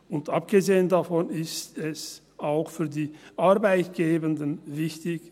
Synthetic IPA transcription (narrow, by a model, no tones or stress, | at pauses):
ʊntʔap̚ɡ̥əzeːəndafɔnɪstɛs | aʊxfyːɐdiːʔaɐbaɪtɡ̥eːbəndənvɪçtɪç